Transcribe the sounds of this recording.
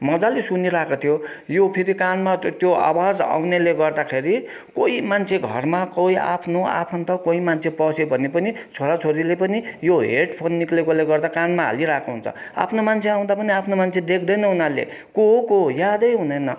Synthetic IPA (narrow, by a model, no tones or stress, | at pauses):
mʌd͡zalesuniɾakat̪ʰijo | jopʰiɾikanmat̪joa̰wad͡za̰wneleɡʌrd̪akʰeɾi | koimant͡sʰeɡʱʌ̰rmakʌia̰pʰnoa̰pʰʌnt̪ʌkoimant͡sʰepʌsʰebʱʌnepʌnit͡sʰoɾat͡sʰoɾilepʌnijoɦeʈpʰonːiklekoleɡʌrd̪akanmaɦa̰liɾakʰoɦunt͡sʰʌ̰a̰pʰnomant͡sʰeaw̃d̪apʌniapʰnomant͡sʰed̪ek̚ʰd̪ʌjnʌɦunalḛ | koɦkojad̪ʌjɦunʌjnʌ